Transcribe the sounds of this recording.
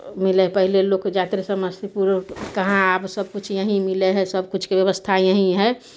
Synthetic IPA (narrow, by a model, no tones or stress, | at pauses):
mɪlepəɦileloːkd͡ʒaːt̪ɾesəməsipuːɾkəɦãaːbsəbkʊt͡ʃʰjəɦĩmɪleɦɛsəbkʊt͡ʃʰkebjəʋəst̪ʰajəɦĩɦɛ